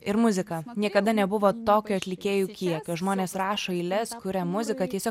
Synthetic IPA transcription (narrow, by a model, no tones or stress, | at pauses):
ɪɾmʊzʲɪkɐnʲiɛkɐd̪ɐnʲɛbʊʋoːt̪oːkʲuɐt̪ʲlʲɪkʲeːjukʲiɛkʲoʒmoːnʲeːsɾɑːʃoːiɪlʲɛskʊɾʲɛmʊzʲɪkɐt̪ʲiɛsʲoː